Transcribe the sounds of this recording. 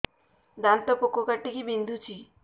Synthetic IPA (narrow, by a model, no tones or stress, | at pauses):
d̪ant̪ɔpokokaʈːikibind̪ʱut͡ʃʰi